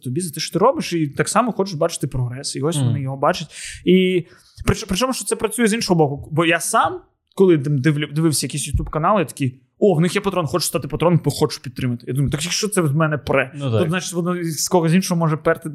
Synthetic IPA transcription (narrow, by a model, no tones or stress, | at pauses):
t̪ɔbʲilʲzɐt̪ɪʃɔ̥t̪ɪɾɔbɪʃit̪aksɑmɔxɔt͡ʃɪʃbɑt͡ʃɪ̥t̪ɪpɾɔɦɾɛsɪiɔsʲʋɔnɪjɔɦɔbɑt͡ʃɪtʲi | pɾɪt͡ʃɔpɾɪt͡ʃɔmʊʃt͡ʃɔ̥t̪sɛpɾɐt͡sʲujɛzinʃɔɦɔbɔkʊbɔjasɑm | kɔlˠɪd̪md̪ɪʋlʲd̪ɪʋɪwsʲɐjɐkisʲjʊt̪ʲubkɐnɑlˠɪjat̪ɐ̥kʲi | ɔwnɪxjɛpɐt̪ɾɔnxɔt͡ʃʊst̪ɑt̪ɪpɐt̪ɾɔnmpɔxɔt͡ʃʊ̥pʲid̪̚t̪ɾɪmɐt̪ɪjad̪umɐjʊt̪akjɐkʃt͡ʃɔt̪sɛzmɛnɛpɾɛt̪ɔznat͡ʃɪ̥tʲʋɔnɔskɔɦɔzʲinʃɔɦɔmɔʒɛpɛrt̪ɪ